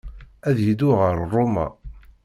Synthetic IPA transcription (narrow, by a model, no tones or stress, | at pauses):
æðjid̪ʊʁəɾˤrˤːʊmæ̰